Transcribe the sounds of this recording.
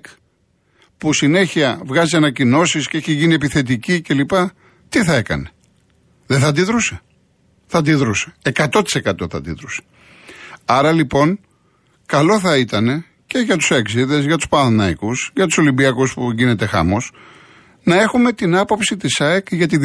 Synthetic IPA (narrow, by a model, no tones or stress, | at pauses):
k | pusine̞çiɐvɣɐziɐnɐcino̞sisceeçeʝinie̞piθe̞t̪̬icice̞lipɐ | t̪iθɐe̞kɐ̰ne̞ | ðeθɐd̪iðɾuse̥ | θɐd̪iðɾuse̥ekɐt̪o̞t̪i̥se̞kɐt̪o̞θɐ̰d̪ḭðɾuse̥ | ɐɾɐlipo̞n | kɐlo̞θɐit̪ɐne̞ | ce̞ʝɐt̪u̥sɐksiðe̞zʝɐt̪uspɐnθnɐikusʝɐt̪u̥so̞limbiɐkuspuɲɟine̞t̪e̞xɐ̰mo̞s | nɐe̞xume̞t̪inɐpo̞psit̪isɐekʝɐt̪i